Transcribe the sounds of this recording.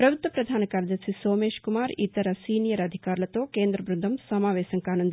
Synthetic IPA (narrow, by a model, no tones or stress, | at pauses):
pɾɐbʱut̪ʋɐpɾɐd̪ʱaːnɐkaːɾjɐd̪ɐɾsisoːmeːʃkumaːɾḭt̪ɐɾɐsiːnijɐɾɐd̪ʱikaːɾlɐt̪oːkeːnd̪ɾɐbɾund̪ʱɐmsɐmaːʋɛːsɐŋkaːnɐnd̪